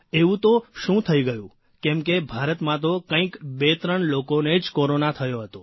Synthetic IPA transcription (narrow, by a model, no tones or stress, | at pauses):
eʋũt̪oʃũt̪ʰəiɡəjũ | kɛmkebʱaɾət̪mãt̪̬okə̃ĩkbet̪ɾəɳlokoned͡ʒkoɾonat̪ʰəjoɦət̪o